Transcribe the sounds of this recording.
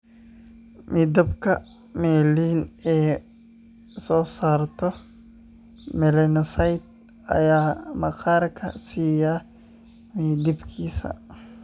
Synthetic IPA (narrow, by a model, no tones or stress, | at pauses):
miːd̪ɐbkʰɐ̰ | mɛːliːnɛː | sɔːsaːrt̪ʰɔ | mɛlɛnɔsɐjt̪̚ | ɐ̰jaːmɐqaːrkʰɐ̰siːjaː | miːd̪ɪbkʰiːsɐ̰